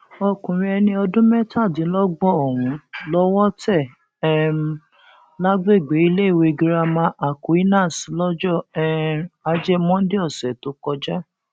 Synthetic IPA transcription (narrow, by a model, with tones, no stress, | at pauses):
ɔ˧kũ˨ɾ̃ĩ˧ɛ˧nĩ˧ɔ˧dũ˦mɛ˦ta˦˨dĩ˨˦lɔ˦ɡ͡bɔ˦˨ɔ˨wũ˨˦lɔ˦wɔ˦tɛ˦˨ | ɛ˦˨m˨˧ | la˦ɡ͡be˦˨ɡ͡be˨˦i˧˦le˦i˦˨we˧˨ɡi˧ɾa˧mã˧˦ʔa˨ko˨˦i˦nãː˦˨si˨˦lɔ˦d͡ʒɔ˦˨ɛ˦a˧d͡ʒɛ˦mɔ̃˦n̩˦de˦ɔ˦˨sɛ˨to˦kɔ˧d͡ʒa˦